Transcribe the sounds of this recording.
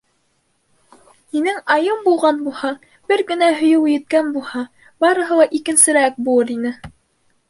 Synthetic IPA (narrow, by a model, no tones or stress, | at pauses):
hinɘŋɑjɤmbulˠʁɑnbulˠhɑ | bɘɾɡɘ̆næɦɵ̆jɘwjɘ̆t̪̚kænbulˠhɑ | bɑɾɤ̆ɦɤ̆lˠɑʔikɘ̆nsɘ̆ɾæk̚bulˠɤɾinɘ